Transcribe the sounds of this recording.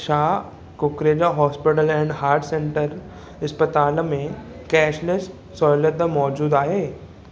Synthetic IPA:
ʃaː | kʊkɾeːd͡ʑaɦɔːspɪʈəlɛ̃ːɳɖhaːɾʈsẽɳʈəɾ | ɪspət̪aːlmẽ | kɛːʃlɪs | sɔːɪləɾd̪əmɔːd͡ʒuːd̪aːɦeː

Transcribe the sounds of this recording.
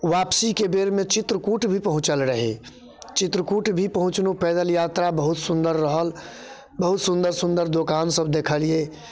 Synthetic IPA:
wapsikebeɾmet͡ʃɪt̪ɾəkuʈbʱipəɦʊ̃t͡ʃəlɾəɦḛ | t͡ʃɪt̪ɾəkuʈbʱipəɦʊ̃t͡ʃnupɛːd̪əljat̪ɾabəɦʊt̪sũnd̪əɾːəɦəl | bəɦut̪sũnd̪əɾsʊ̃nd̪əɾd̪okansəbd̪ekʰəlie

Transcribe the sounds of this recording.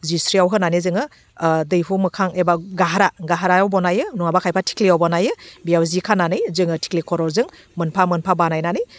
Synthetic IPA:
zisɾiawɦɯnanizɯŋɯ | dɯjpʰumɯkʰaŋebaɡaɦaɾaɡaɦaɾajawbɔnajɯnuŋabakʰajpʰatʰi̥kliawbɔnajɯbijawzikʰananɯjzɯŋɯtʰi̥klikʰɔɾɔɾzɯŋ | mɯnpʰamɯnpʰabanajnanɯj

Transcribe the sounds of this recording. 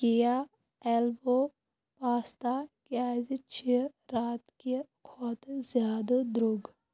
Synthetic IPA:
kija | ɛlbo | paːst̪akjaːzt͡ʃʰiɾaːt̪kekʰɔːt̪zjaːd̪od̪ɾoːɡ

